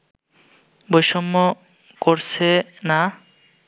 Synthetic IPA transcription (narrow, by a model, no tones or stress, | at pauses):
bojʃɔmːo | koɾt͡ɕʰena